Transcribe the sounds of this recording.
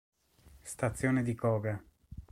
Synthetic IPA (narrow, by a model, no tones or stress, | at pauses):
st̪at̪sːjoːned̪ikɔːɡa